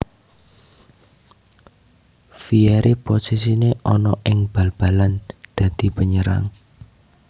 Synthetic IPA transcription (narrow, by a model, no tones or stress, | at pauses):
fiɛɾʔiposis̬ineʔɔnɔʔɪŋb̥ä̤lb̥a̤land̪̥ä̤d̪̥i̤pəɲəɾa̰ŋ